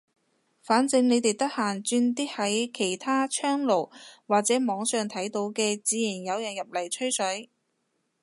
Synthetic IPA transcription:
faː˨˥nt͡sɪ˧ŋne˨˧jt̪e˨jt̪ɐ˥k̚haː˨˩nt͡ʃyː˧nt̪iː˥hɐ˨˥jkʰe˨˩jt̪ʰaː˥t͡ʃʰœː˥ŋlo˨˩wwaː˨k̚t͡sɛː˨˥mɔː˨˧˥ŋsœː˨˩ŋt̪ʰɐ˨˥jt̪o˨˥wkɛː˧t͡siː˨˥jiː˨˩njɐ˨˧wjɐ˨˩njɐ˨p̚lɐ˨˩jt͡ʃʰɵ˥ɥsɵ˨˥

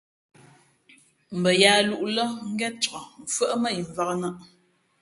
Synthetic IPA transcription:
m̩˨bə˨jaː˨˦lu˦ʔlə˦ŋ̩˦ɡɛ˦t̚t͡ʃə˨ɔ˨m˨fwə˦ʔmə˦ji˨ɱ˨va˦knə˦ʔ

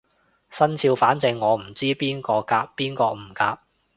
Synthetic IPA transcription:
sɐ˥nt͡sʰiː˧wfaː˨˥nt͡sɪ˧ŋːɔː˨˧m̩˨˩t͡siː˥piː˥nkɔː˧kaː˧p̚piː˥nkɔː˧m̩˨˩kaː˧p̚

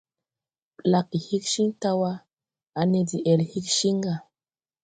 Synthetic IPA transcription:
la˨kːi˨hi˦kʃi˦ŋta˦wa˦ | a˨ne˨di˨ʔɛ˨lhi˦kʃi˦ŋɡa˨

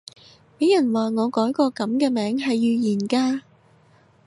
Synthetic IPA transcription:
pe˨˥jɐ˨˩nwaː˨ŋɔː˨˧kɔː˨˥jkɔː˧kɐ˨˥mkɛː˧mɛː˨˥ŋɦɐ˨jːyː˨˧jiː˨˩nkaː˧

